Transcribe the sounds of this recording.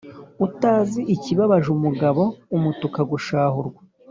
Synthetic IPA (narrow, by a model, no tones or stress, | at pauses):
utaːziʔːciβaβaʒumuɡaβo̞umutukaɡuʃaːhuɾɡwḁ